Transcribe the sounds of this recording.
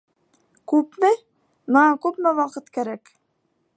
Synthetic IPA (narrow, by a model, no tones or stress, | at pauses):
kʉpmɘ | mɤɴɑkʉpmæwɑqɤt̪kæɾæk